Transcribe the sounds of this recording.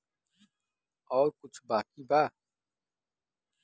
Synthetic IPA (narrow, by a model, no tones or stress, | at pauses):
ɔːɾkut͡ʃʰbaːkiba